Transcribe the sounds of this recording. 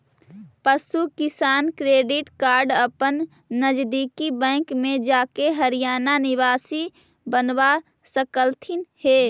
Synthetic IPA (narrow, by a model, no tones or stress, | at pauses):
pəsukɪsaːnkɾeːɖɪʈkaːɾɖəpənː | əd͡ʒd̪iːkibɛ̃ːŋkmẽd͡ʒaːkeɦəɾijaːnanɪʋaːsi | bənwa | səkəlt̪ʰinhe